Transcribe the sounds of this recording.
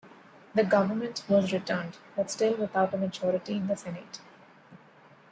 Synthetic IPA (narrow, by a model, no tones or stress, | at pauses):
d̪əɡʌʋəɾmə̃ɳʈʋɔzɾɪʈəɾɳɖbʌʈsʈɪlʋɪt̪ʰaʊʈəməd͡ʒɔːɾɪʈiɪ̃nd̪əsɛniʈ